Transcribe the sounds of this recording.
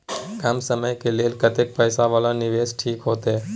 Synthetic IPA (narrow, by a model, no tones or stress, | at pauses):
kəmsəməjkeleːlkət̪ɪk̚pəjsaʋaːlanɪʋeːsʈʰiːkɦoːt̪e